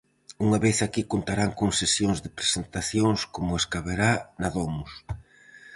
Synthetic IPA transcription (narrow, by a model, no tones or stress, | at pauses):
uŋɐβeθakikont̪aɾaŋkoŋsesjoŋzðɪpɾesent̪aθjoŋskomʊeskaβeɾanaðomʊs